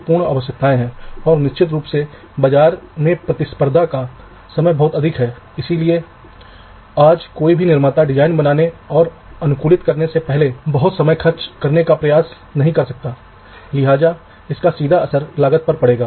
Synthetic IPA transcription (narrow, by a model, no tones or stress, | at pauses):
pʊɾɳa̰ːʋəʃ̬jək̚t̪ʰaːẽɦɛ̃ːɔːɾnɪʃt͡ʃɪt̪ɾuːpse | bɐd͡ʒaːɾmẽpɾɐt̪ɪspəɾd̪ʱaka | sɐməjbɐɦʊt̪ɐd̪ʱɪkɦɛː | ɪsilie | aːd͡ʒkoːibʱinɪɾmaːt̪aɖɪd͡ʒaːɪnbɐnaːneɔːɾ | ɐnʊkuːlɪt̪kɐɾnesepɛɦlebɐɦʊt̪sɐməjxɐɾt͡ʃkɐɾnekapɾɐjaːs | nɐɦĩkɐɾsɐk̚t̪aː | lɪɦaːd͡ʒa | ɪskasiːd̪ʱaɐsəɾlaːɡət̪̚pɐɾpɐɽeːɡaː